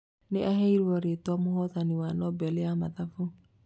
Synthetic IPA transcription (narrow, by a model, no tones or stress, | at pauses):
neʔaɦeiɾɔɾetɔmohɔðaniwanɔbɛleamaðafo